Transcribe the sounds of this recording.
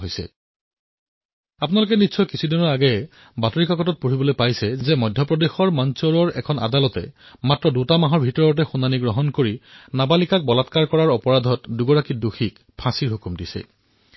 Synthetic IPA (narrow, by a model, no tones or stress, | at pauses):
ɦojsɛ̰ | ap̬unalʊk̬ɛnisʰɔkisʰudinɔɹaɡɛ | batoɹikakɔtɔt̚puɹibɔlojpajsɛzɛmɔjdʱjɔpɹɔdexɔɹmansɔɹɔɹɛkʰɔnʔa̰dalɔtɛ̰matɹɔdutamaɦɔɹbʱitɔɹɔt̬ɛxunaniɡɹɔɦɔnkoɹinabalikak̚bɔlatkaɹkɔɹaɹɔpɔɹadʱɔtduɡɔɹakiduxik | pʰãsiɹɦukumdisɛ̰